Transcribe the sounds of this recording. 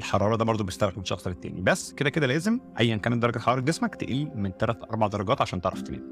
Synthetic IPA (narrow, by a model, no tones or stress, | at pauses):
ʔelħɑɾˤɑːɾˤɑd̪æːbɑɾˤd̪ˤobeest̪æɾˤɑqʃɑ̰xsˤɑlet̪ːæ̰ːnibæsːked̪æked̪ælæːzemʔæjːænkæːnet̪d̪ɑˤɾˤɑɡɑt̪ħɑɑːɾeɡesmækt̪eʔiːlment̪ælæt̪ʔɑɾˤbɑʕd̪ɑɾˤɑɡæːt̪ʕaʃæːnt̪eʕɾˤɑ̰ft̪enḛːn